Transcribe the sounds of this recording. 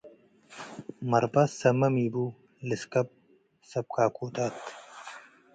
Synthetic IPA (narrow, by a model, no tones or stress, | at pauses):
mɐɾbɐsɐmɐmiːbu | liskɐp̚ | sɐb̚kaːkʰuːt̪at̪